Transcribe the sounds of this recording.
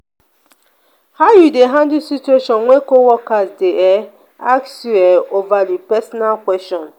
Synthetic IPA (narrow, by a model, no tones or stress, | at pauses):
haʊjudeɦãndusitueʃɔnŋʷekowɔkazdeʔe | aksueovadipɛsɔnalkʷwɛstɔ̃n